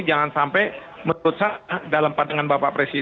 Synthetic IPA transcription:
d͡ʒaŋansampɛj | mənɾʊt̪̚sadalampadaŋanbapaʔpɾesi

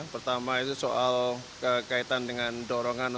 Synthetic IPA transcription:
pərt̪amait̪usoʔalkəkait̪andəŋandɔɾɔŋan

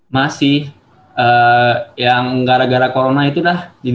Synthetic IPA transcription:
masɪh | əːjaŋɡaɾaɡaɾakoɾonait̪ulahdi

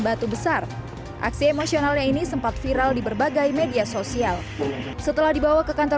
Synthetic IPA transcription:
bat̪ubəsar | ʔa̰ksiemosionalɲainisəmpat̪̚fiɾaldibərbaɡajmediasosial | sət̪əlahdibawakəkant̪ə

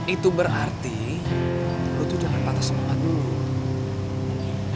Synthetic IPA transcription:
it̪ubəɾʔart̪i | lut̪udaŋanpat̪asəmuʔadulu

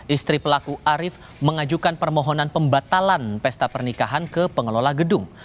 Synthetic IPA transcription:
ʔist̪ɾipəlakuʔaɾɪf | məŋad͡ʒukanpərmɔɦɔnanpəmbat̪alanpɛst̪apərnikaɦankəpəŋəlolaɡədʊŋ

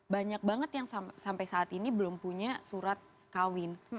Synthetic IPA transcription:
baɲak̚baŋət̪jaŋsasampajsaːt̪inibəlʊmpuɲasuɾat̪̚ | kawɪn

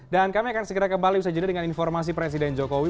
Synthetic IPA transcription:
dankamiakansəɡəɾakəmbalibisad͡ʒudadəŋaninfɔrmas̬ipɾes̬idɛnd͡ʒokowi

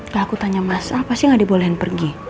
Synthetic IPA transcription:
kaakut̪aɲamasaapasɪŋɡadibolɛɦɪnpərɡi

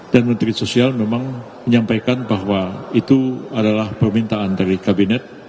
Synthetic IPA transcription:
d̥anmənt̪ɾisosialmemaŋ | məɲampajkanbaɦwait̪uadalahpərmint̪aandaɾikabinɛt̪̚

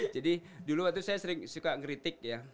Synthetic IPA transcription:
d͡ʒadiduluat̪usajasəɾɪŋsukakɾit̪ɪk̚ja

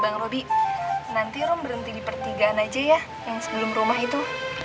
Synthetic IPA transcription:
baŋrobiʔnant̪iɾɔmbəɾənt̪idipərt̪iɡaːnad͡ʒajah | jaŋsəbəlʊmrumaɦit̪u

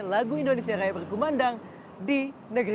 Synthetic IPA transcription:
laɡuindonesiaɾajabərkumandaŋ | dinəɡɾ

